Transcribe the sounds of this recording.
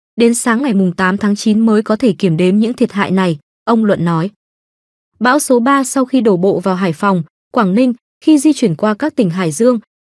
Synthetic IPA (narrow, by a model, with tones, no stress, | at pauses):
ɗe˨˦nsaː˨˦ŋːa˨˩jmʊ˨˩ŋ͡mt̪aː˨˦mt̪ʰaː˨˦ŋt͡ɕi˨˦nməː˨˦jkɔ˨˦t̪ʰe˧˩ki˧˩əmɗe˨˦mɲɨ̰˧˥ŋt̪ʰi˨˩ət̚ha̰ː˧˨jna˨˩j | ʔə˧wŋ͡mlwə̰˧˨nːɔ˨˦j | ɓa̰ː˧˥wso˨˦ɓaː˧sa˧wxi˧ɗo˧˩ɓo̰˧˨vaː˨˩wɦaː˧˩jfa˨˩wŋ͡m | kwaː˧˩ŋnï˧ŋ̟ | xi˧zi˧t͡ɕwi˧˩ənkwaː˧kaː˦˥k̚t̪ï˨˩ŋ̟ɦa̰ː˧˩jzɨ˧əŋ